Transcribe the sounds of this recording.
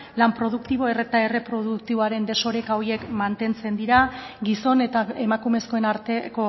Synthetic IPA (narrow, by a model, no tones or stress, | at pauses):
lampɾo̞ð̞ukt̪iβ̞o̞e̞re̞t̪ae̞re̞pɾo̞ðukt̪iβoaɾe̞nd̪e̞so̞ɾe̞kaoɾie̞kmant̪e̞nt͡se̞nd̪iɾa | ɡiso̞ne̞t̪ae̞makume̞sko̞enaɾt̪eko̞